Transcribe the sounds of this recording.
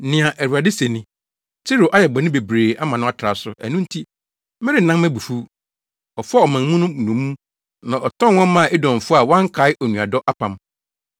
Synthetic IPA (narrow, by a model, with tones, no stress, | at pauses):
nɪ̃˨ã˨ʔæ˨ɾu˨a˨de˦se˨nĩ˦ | t͡sʰɪ˦ɾo˨ʔa˦jɛ˨ɡ͡bɔ˨nɪ̃˦be˨bɾeː˨a˦mã˨nʊ̃˦a˦tʰɾa˨sʊ˦ʔæ̰˨nũ˦n˦tʰi˦ | mɪ˦ɾɪ˦˨nã˦mmɛ̃˦bu˨fu˦ | ɔ˨fɔ˦ɔ˨mã˨m˦mũ˦nʊ̃˦˨nũ˨˦ũ˦ | nã˨ʔɔ˨tʰɔ̃˦˨wɔ̃˦m˦mã˦˨e˦dɔ̃˨m˨fʊ˦a˨wã˦ŋ˦kʰa˨˦ɪ˦ʔɔ˨nũ˨a˨dɔ˦ʔa˦pʰã˨m